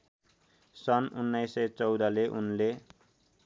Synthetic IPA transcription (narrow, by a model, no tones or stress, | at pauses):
sʌnunːajsʌjt͡sʌwd̪ʌleʔunle